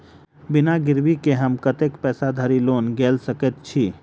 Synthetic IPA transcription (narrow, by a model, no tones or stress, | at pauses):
bɪnaɡɪɾʋikeɦɐmkət̪ekpɛːsad̪ʱəɾiloːnɡeːlsəkət̪̚t͡ʃʰiː